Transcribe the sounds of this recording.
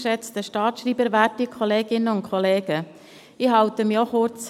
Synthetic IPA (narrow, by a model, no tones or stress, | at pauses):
ʃɛt͡stəʃtɑːt̪ʃriːbəɾʋætikʰɔleːɡɪnːəʊntkʰχɔleːɡ̥ə | iɦɑwt̪əmiɔχʊɾt͡s